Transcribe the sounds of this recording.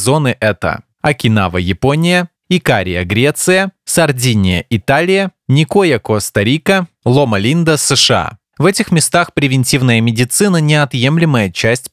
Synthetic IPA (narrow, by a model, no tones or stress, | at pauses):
zo̞nɨʔɛt̪ə̰ | ɐkʲɪna̰vəjɪponʲɪjə | ɪkaɾʲɪ̰jəɡɾʲe̞t̪sɨjəsɐrdʲinʲɪjə̰ʔɪt̪alʲɪjənʲɪkojəkost̪ɐɾʲikə | lˠomɐlʲind̪əsɛʂɨa̰ | vɛtʲɪxmʲɪst̪axpɾʲɪvʲɪnʲtʲivnəjəmʲɪdʲɪt̪sɨnənʲɪɐt̪je̞mlʲɪməjət͡ɕæsʲtʲ